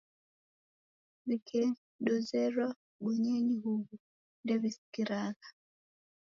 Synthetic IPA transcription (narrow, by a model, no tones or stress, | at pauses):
βikʰɛ | dɔzɛɾwa | ɡuɲɛɲiɦuβu | ndɛβisi̥kiɾaɣa